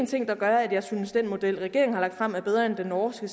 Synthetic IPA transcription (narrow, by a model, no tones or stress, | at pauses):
nt͡sʰe̝ŋ̰d̥ɑ̈ɡ̥ɶɐæd̥jɑ̈ɪsynəsd̥en̰mo̝d̥el̰ʁɛɡ̥e̝ɐŋ̩hɑ̈lɑ̈ɡ̥̚d̥fʁam̰æɐb̥eð̞ˠʁɐend̥enːɒːsɡ̥əs